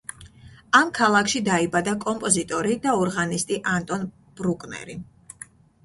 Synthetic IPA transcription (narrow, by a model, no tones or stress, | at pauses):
amkʰalˠakʰʃid̪aibad̪akʼɔmpʼɔzit̪ʼɔɾid̪aɔɾʁanist̪ʼiʔant̪ʼɔn | b̥ɾukʼnɛ̰ɾi